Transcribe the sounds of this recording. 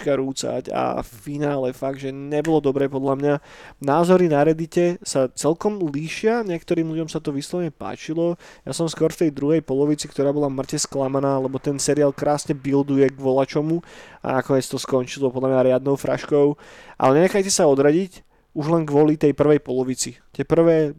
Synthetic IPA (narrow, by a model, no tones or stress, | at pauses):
kaɾuːt͡sa̰ca̰ffinaːlɛfaɡ̚dʒɛɲɛbɔlɔd̪ɔbɾɛːpɔd̪lamɲanaːzɔɾinaɾɛd̪icɛsat͡sɛlkɔmliːʃɪaɲɪɛkt̪ɔɾiːmlʎuɟɔmsat̪ɔʋiːslˠɔʋɲɛpa̰ːt͡ʃilɔja̰sɔmskɔɾft̪ɛjd̪ɾuɦɛjpɔlɔʋit͡sikt̪ɔɾaːbɔlamr̩cɛsklamanaːlɛbɔt̪ɛnsɛɾiaːlˠkɾaːsɲɛbild̪ujɛɡʋɔlat͡ʃɔmua̰nakɔɲɛt͡st̪ɔskɔnt͡ʃilɔpɔd̪lamɲaɾɪad̪̚nɔʊfɾa̰ʃkɔʊʔa̰lɛɲɛɲɛxajcɛsaɔd̪ɾaɟic | uʒlɛnɡʋɔlit̪ɛjpr̩ʋɛjpɔlɔʋit͡sit̪ɪɛpr̩ʋɛː